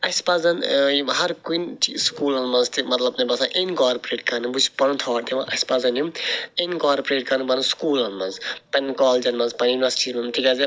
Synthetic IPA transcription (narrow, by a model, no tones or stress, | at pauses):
ɐspɐzɐnjɦɐɾkunt͡ʃiskuːlɐnmɐnzt̪imɐt̪lɐbnɐbɐsaʔenkaːɾpɾeːʈkɐnɨbut͡ʃpɐnũt̪ʰɔːʈt̪iʋãʔɐsʲpɐzɐnjumenkaːɾpɾeːʈkɐɾnɨbɐnuskuːlɐnmɐnzpɐnʲkɔːld͡ʒɐnmɐnzpɐnjuniʋɐsi̥ʈimɐmʈʰikazi